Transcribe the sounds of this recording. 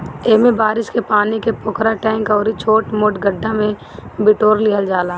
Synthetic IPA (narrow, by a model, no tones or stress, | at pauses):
eːmẽbaːɾɪʃkepaːnikepʊkʰɾaʈɛ̃ːŋkɔːɾit͡ʃʰoːʈmoːʈɡəɖʱːãmẽbɪʈoːɾliɦəld͡ʒaːlaː